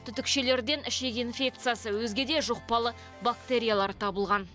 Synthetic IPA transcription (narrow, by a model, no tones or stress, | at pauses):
t̪ʰʏt̪ɪkʃe̞le̞ɾd̪e̞nɪʃekinfʲe̞k̚t̪sɨjasəwɵzɡʲe̞d̪e̞ʒoq̚pɑlˠə | bakt̪eɾʲijalˠɑɾt̪ʰɑbəlˠʁɑn